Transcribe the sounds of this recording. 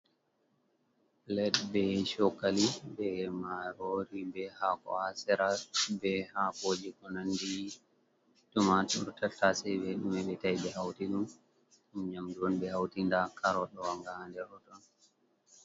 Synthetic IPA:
lɛdbɛʃɔkːalibɛmaɾoɾibɛhakɔ̰asɛɾabɛhakoːd͡ʒikɔnandi | tumatɔɾtatːasɛbɛɗumɛɓɛtajbɛhawtiɗum | ɲamduɔnbɛhawtindakʰaɾɔɗɔwaŋɡahandɛɾɔtɔn

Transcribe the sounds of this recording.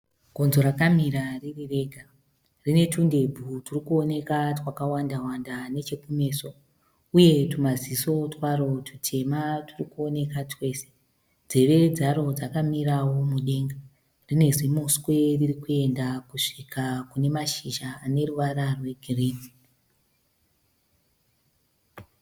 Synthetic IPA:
ɡʱo̞nzo̞ɾakamiɾaririre̞ːɡʱa | rine̞tʰunde̞bʱuturikuone̞katwakawandawandane̞t͡ʃe̞kume̞ːso̞ | uje̞tumaziso̞twaɾo̞tʰutʰe̞maturikuo̞ne̞katʰwe̞ːse | d͡ze̞ʋe̞d͡zaɾo̞d͡zakamiɾawomuɗe̞ːŋɡa | rine̞zimoskwe̞ririkue̞ndakuʂikʰakune̞maʃiʒaːne̞ruʋaɾarwe̞ɡʱireːdi̥

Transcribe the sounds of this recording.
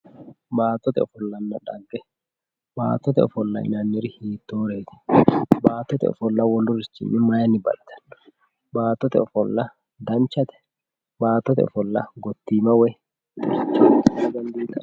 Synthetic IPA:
baːt̪ːɔt̪ɛ̰ɔfɔlːɐnːɐᶑɐɡːɛ | ba̰ːt̪ːɔt̪ɛɔfɔlːɐ̰ʔɪ̰nɐnːɪɾɪhiːt̪ːoːɾeːt̪ɛ̥baːt̪ːɔt̪ɛ̰ɔ̰fɔlːɐwɔlːʊɾɪt͡ʃːɪ̰nːɪmɐjɐnːɪbɐ̰lt̪ːɐ̥nː | baːt̪ːɔt̪ɛɔfɔlːɐ | d̪ɐnt͡ʃːɐt̪ɛ̥ | baːt̪ːɔt̪ɛ̰ɔ̰fɔlːɐ̰ɡɔt̪ːiːmɐwɛ | ʊɾɪt͡ʃːɐɡ̪ɐnd̪iːk̪ːɐ

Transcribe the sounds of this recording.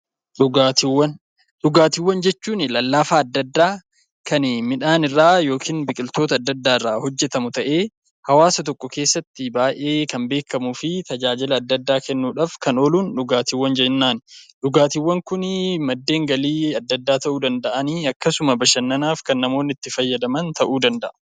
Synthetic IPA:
ᶑʊɡaːt̪ɪwːɐn | ɗʊɡaːt̪ɪwːɐnd͡ʒɛt͡ʃːuːnɪlɐlːaːfaːɐd̪ːɐd̪ːaː | kʰɐnmɪᶑaːnɪrːaːjo̞ːkʰiːnbɪkʼɪlt̪oːt̪ɐːd̪ːɐd̪ːaːɪrːaːhɔd͡ʒːɛt̪ɐmʊt̪ɐʔe̞ː | hɐwaːsɐt̪̬ɔkːɔke̞ːsːɐt̪ːɪbaːʔe̞ːkɐmbe̞ːkːɐmuːfɪt̪ɐd͡ʒaːd͡ʒɪlɐːd̪ːɐd̪ːaːkɛnːuːᶑaːfkɐnoːluːnᶑʊɡaːt̪ɪwːɐnd͡ʒɛnːaːnᶑʊɡaːt̪ɪwːɐŋkʊnmɐd̪ːe̞ːŋɡɐliːɐd̪ːɐd̪ːaːt̪ɐʔuːd̪ɐnd̪ɐʔɐniːɐkːɐsʊmɐbɐʃɐnːɐnaːfkɐnːɐmo̞ːnːɪt̪ːɪfɐjːɐd̪ɐmɐnt̪ɐʔuːd̪ɐnd̪ɐʔɐ̥

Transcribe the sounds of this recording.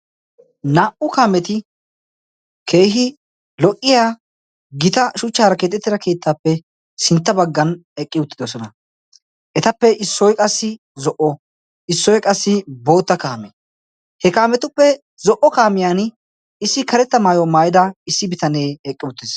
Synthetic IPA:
naːʔʊkaːmɛt̪ɪ | kʰe̞ːɦɪ | lɔkʼːɪjaː | ɡɪt̪ɐʃʊt͡ʃːaːɾɐke̞ːt̪̬ʼːɛt̪ːɪɾɐke̞ːt̪ːaːpːɛ | sɪnt̪ːɐbɐɡːɐnɛkʼːɪʊt̪ːɪd̪ɔsɔnɐ | ʔɛt̪ɐpːɛʔɪsːɔjkʼɐsːɪ | zɔʔɔ | ɪsːɔjkʼɐsːɪbo̞ːt̪ːɐkaːme | hɛkaːmɛt̪ʊpːɛ | zɔʔɔkaːmɪjaːn | ɪsːɪkɐɾɛt̪ːɐmaːjɔmaːjɪd̪ɐɪsːɪbɪt̪ɐneːɛkʼːɪʊt̪ːɪs

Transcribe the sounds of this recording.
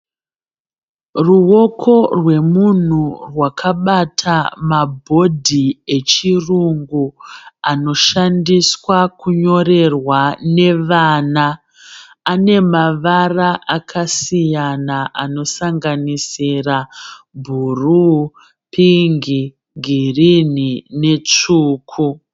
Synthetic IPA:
ruwo̞kʰo̞rwe̞mun̤urwakʰaɓatʰamabʱo̞dʱie̞t͡ʃiruŋɡuano̞ʃandiswakuɲo̞re̞rwane̞ʋaːnaː | ne̞maʋaraʔakʰasijanaʔano̞saŋɡanisira | bʱuru | pʰiŋɡi | ɡʱirinine̞t͡ʂuːkʰu

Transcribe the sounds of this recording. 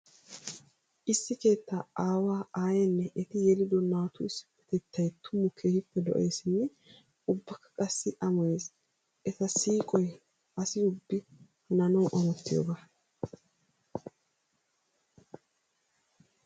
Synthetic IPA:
ʔɪsːɪke̞ːt̪ːaʔaːwaːaːjɐnːɛʔɛt̪ɪjɛlɪd̪ɔnaːt̪ʊɪsːɪ̥pːɛ̥t̪ɛt̪ːɐjt̪ʰʊmʊkʰeːhɪpːɛd̪ɔ̰ʔeːsɪnːɛ | ʊbːɐkːɐ̥kʼɐsːɪʔɐmɔjeːs | ʔɛt̪ɐsiːkʼɔj | ɐsɪʊbːɪ | hɐnɐnɐwʔɐmɔt̪ːɪjo̰ːɡa

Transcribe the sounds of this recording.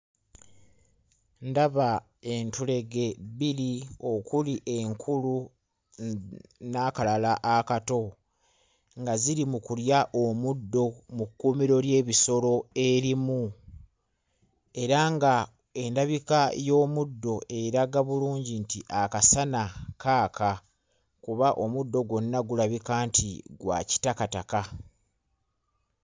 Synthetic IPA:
ndaβa | e̞ntule̞ɡeβilio̞kuliʔe̞ŋkʰulu | nakalalaʔakato̞ | ŋɡaziɾimukuljaʔomudːo̞mukːuːmiɾo̞lje̞ːβiso̞lo̞e̞ɾimu | e̞ɾaŋɡa | e̞ndaβikajo̞ːmudːo̞e̞ɾaɡaβuluːɲɟintiʔakasanakʰaːkʰa | kuβaʔo̞mudːo̞ɡwo̞nːaɡulaβikaːntʰḭɡwa̰ci̥takataka

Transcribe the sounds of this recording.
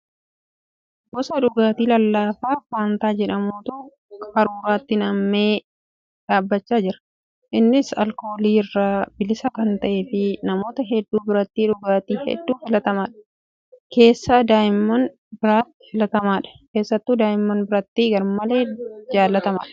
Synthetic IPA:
bɔsɐᶑʊɡaːt̪iːlɐlːaːfaːfaːnt̪aːd͡ʒɛᶑɐmuːt̪u | kʼɐɾuːɾaːt̪ːɪnɐmːeː | ᶑaːbːɐt͡ʃːaːd͡ʒɪɾɐ̥ | ʔɪnːɪsɐ̰lko̞ːliːɪrːaːbɪlɪsɐkɐnt̪ɐʔeːfɪnɐmo̞ːt̪ɐɦɛd̪ːuːbɪɾɐt̪ːiːᶑʊɡaːt̪iːhɛ̰d̪ːuːfɪlɐt̪ɐmaːᶑɐ̥ | ke̞ːsːaːd̪aːjɪmːɐn | bɪɾaːt̪ːɪfɪlɐt̪ɐmaːᶑɐ̥ke̞ːsːɐt̪ːuːd̪aːjɪmːɐnbɪɾɐt̪ːiːɡɐɾmɐleːd͡ʒaːlːɐt̪ɐma̰ːᶑɐ̥

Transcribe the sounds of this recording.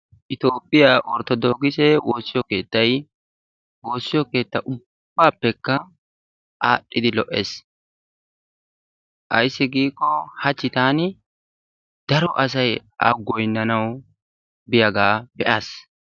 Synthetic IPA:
ʔɪt̪oːpʼːɪjaʔɔɾt̪ːɔd̪ɔɡɪsɛwoːsːɪjɔke̞ːt̪ːɐj | wo̞ːsːɪjɔke̞ːt̪ːɐʔʊb̥ːaːpːɛkːɐ | ʔaːɗːɪd̪ɪlɔʔes | ʔɐjsːɪɡiːkːɔhɐt͡ʃːɪt̪aːnɪ | d̪̥ɐɾɔʔɐs̬ɐja̰ɡɔjnːɐnɐw | bɪjɐɡaːbɛʔaːs

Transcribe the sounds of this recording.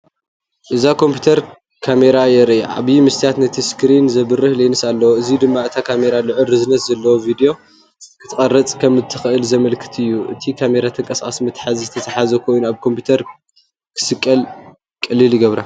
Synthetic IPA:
ʔɨzakʰo̞mpʰju̥t̪ʰɐɾ | kʰame̞ɾajɛɾja̰ʔa̰βjimɨst̪ʰijat̪nɐt̪ʰiskɾinzɐβɨrːɨhlenɨsalːɐwoɨzid̪ɨmːaɨt̪ʰakʰame̞ɾalɨʕɨlɨznɐszɐlːɐwovid̪jo̞ | kʰɨ̥t̪ʰɨχʼɐɾɐt͡sʼkʰɐmːɨt̪ʰːɨxɨʔɨlzɐmɐlkʰɨ̥t̪ʰɨjːuʔɨ̰t̪ʰikʰame̞ɾat̪ʰɨŋkʼɐskʼa̰simɨt̪ʰʼħazizɨt̪ʰɐt̪ʰɐħazɐkʰo̞junuaβkʰo̞mpʰut̪ʰɐɾ | kʰɨ̥sɨkʼːɐl | kʼɐlːilɨɡɐβɾa

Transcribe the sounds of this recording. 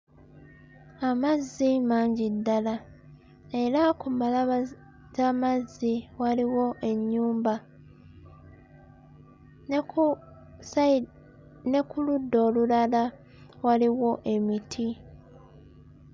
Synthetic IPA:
amazːimaːɲɟidːala | e̞ɾakumalaβ | zamazːiwaliwo̞ʔe̞ɲːuːmba | ne̞kuludːo̞ːlulala | waliwo̞ʔe̞mitʰi

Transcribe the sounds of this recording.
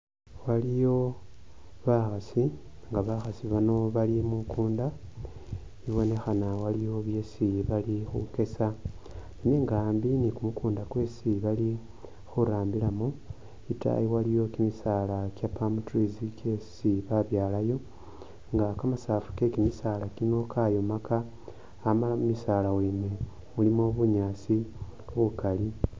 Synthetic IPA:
walijo̞ | βaxasi | ŋɡaβaxasiβano̞βalimukuːnda | iβo̞ne̞xanawalijo̞βje̞ːsiβalixṵke̞sa | naɲe̞ŋɡaːmbinikumukuːndakwe̞ːsiβali | xuɾaːmbilamu | ita̰jiwalijo̞kimisaːlakjapamtrizike̞siβaβjaːlajo̞ | ŋɡakamasaːfu̥ke̞kimisaːlakino̞ːkʰaːjo̞makaː | malamumisaːlawulime | mulimoβuɲaːsioβukali

